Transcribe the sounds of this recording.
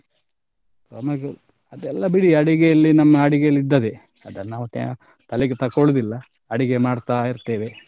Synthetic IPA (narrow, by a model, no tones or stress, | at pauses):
sɐmɐɡe | ɐd̪ɛlːɐbiɽiɐɽiɡɛjɐlːinɐmːɐːɽiɡejɐlːid̪ːɐd̪e | ɐd̪ɐnːaːʋut̪ḛ | t̪ɐlɛɡet̪ɐkːoɭud̪ilːɐ | ɐɽiɡemaːɽt̪aːiɾt̪eːʋe̞